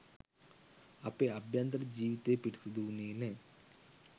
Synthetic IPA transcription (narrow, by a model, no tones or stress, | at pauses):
ɐpːeɐbjand̪ɐɾɐd͡ʒiːʋit̪ːeːpiɽisɐd̪uneːne